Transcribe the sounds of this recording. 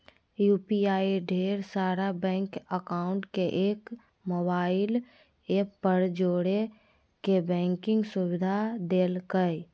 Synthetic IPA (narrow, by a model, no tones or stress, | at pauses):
juːpiaːiɖʱeːɾsaːɾabɛ̃ːŋkəkaːʊ̃ɳʈkeʔeːk | moːbaːɪl | eːpəɾd͡ʒoːɽe | kebɛ̃ːŋkɪ̃ŋɡsʊwɪd̪ʱad̪eːlkəj